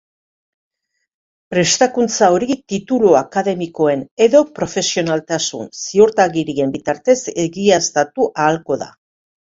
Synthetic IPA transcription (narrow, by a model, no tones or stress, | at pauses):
pɾe̞st̪akunt͡sao̞ɾit̪it̪uluakaðe̞miko̞e̞neðo̞pɾo̞fe̞sio̞nalt̪asṵnsioɾt̪aɣiɾie̞mbit̪aɾt̪e̞se̞ɣiast̪at̪uʔaːlko̞ða̰